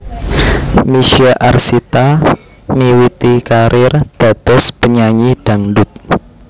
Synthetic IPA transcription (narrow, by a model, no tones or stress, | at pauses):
miʃaʔa̰rsit̪a | miwit̪ikaɾʔɪrd̪̥a̤t̪ɔspəɲaɲid̥a̤ŋdʊt̪̚